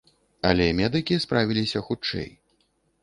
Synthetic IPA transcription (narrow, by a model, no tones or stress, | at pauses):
ɐ̰lʲɛmʲɛd̪ɨkʲispɾavʲilʲisʲɐxut͡ʂːɛ̰j